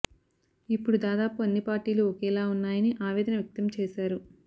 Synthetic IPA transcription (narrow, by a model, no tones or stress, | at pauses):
ipːuɽud̪aːd̪aːpuɐnːipaːɾʈiːluɔkɛːlaːunːaːjɐniʔaːʋɛːd̪ɐnɐʋjɐk̚t̪ɐmt͡ʃɛːʃaːɾu